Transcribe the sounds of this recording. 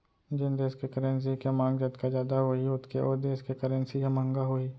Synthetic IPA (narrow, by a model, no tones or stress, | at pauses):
d͡ʒɪnd̪eːskekəɾəns̬ikemãːŋɡd͡ʒət̪kad͡ʒjaːd̪aɦoiʊt̪ʰkeʔoːɾd̪eːskekəɾə̃nsiɦemə̃ŋɡaɦoiː